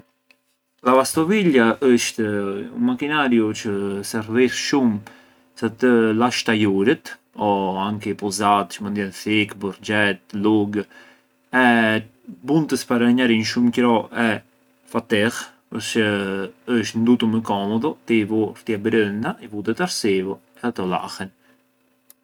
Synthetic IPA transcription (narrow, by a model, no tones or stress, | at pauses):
lavast̪ɔviljaʔəʃt̪ṵmakinaɾjut͡ʃəsɛɾvisʃum | sat̪əlaʃt̪ajuɾət̪ | ɔaŋkipɔzat̪t͡ʃmənd̪jɛnθikbɔɾd͡ʒɛt̪luɡ | ɛ | bunt̪əspaɾaɲaɾinʃumcɾɔʔɛ | fat̪ɛʁ | pəɾsəəʃ̬t̪nd̪ut̪uməkɔmɔðɔt̪ivuɾt̪iabɾənd̪aʔivut̪ɛt̪aɾsivɔ | ɛat̪ɔla̰hɛn